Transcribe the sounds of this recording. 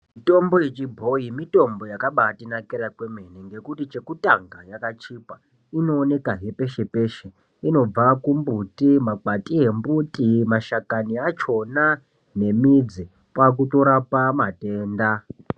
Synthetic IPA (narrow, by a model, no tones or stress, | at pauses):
mito̞mbo̞jet͡ʃibʱo̞imito̞mbo̞jakaɓatinakiɾakweme̞neŋɡe̞kutit͡ʃe̞kutaŋɡajakat͡ʃipa | ino̞ːne̞kaɦe̞pe̞ʃe̞pe̞ʃe | ino̞b͡vakumbutimak͡patʼie̞mbutimaʃakaniat͡ʃo̞na | ne̞mid͡zi | pwak̬uto̞ɾapamate̞ːnda